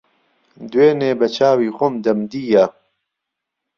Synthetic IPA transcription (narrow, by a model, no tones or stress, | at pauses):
d̪weːneːbɐt͡ʃʰaːwiːxomd̪ɐmd̪iːjɐ